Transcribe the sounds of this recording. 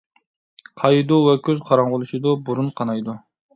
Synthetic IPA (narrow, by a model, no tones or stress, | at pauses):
qʰɑjid̪uwɛkʲʰøzqʰɑɾɑŋʁolˠuʃid̪ubuɾunqʰɑnɑjd̪u